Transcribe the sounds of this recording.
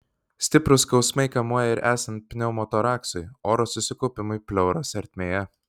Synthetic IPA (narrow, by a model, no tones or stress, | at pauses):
sʲt̪ʲɪpɾʊskɒʊsmɐɪkɐmuɔjɛɪɾʔæːsɐnt̪̚ʲpʲnʲɛʊmɔt̪ɔɾɑːksʊɪoːɾoːsʊsʲɪkɔʊpʲɪmʊɪpʲlʲɛʊɾɐsɐɾʲt̪ʲmʲeːjɛ